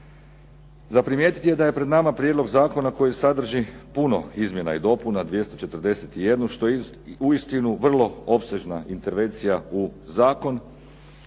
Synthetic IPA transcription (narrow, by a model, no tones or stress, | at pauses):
zapɾimje̞ːt̪i̥t̪ie̞d̪aje̞pɾed̪namapɾjed̪lo̞ɡzaːko̞nako̞jisad̪r̩ʒipuno̞izmje̞naid̪o̞punad̪ʋje̞st̪ot͡ʃe̞t̪r̩d̪e̞set̪ije̞d̪nuʃt̪o̞ | uist̪inuʋr̩lˠo̞o̞pseʒnaint̪e̞ɾʋe̞nt̪sijauzaːko̞n